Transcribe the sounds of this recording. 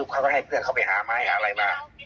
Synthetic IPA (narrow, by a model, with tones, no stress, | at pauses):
u˧˩kʰa˧˥˩kɔː˥˩ha˧˩jpʰɯ˥˩ənkʰa˥˩wpa˧jhaː˩˦maː˧a˥˩jhaː˨˦˧ɾa˧jbaː˧˩ŋ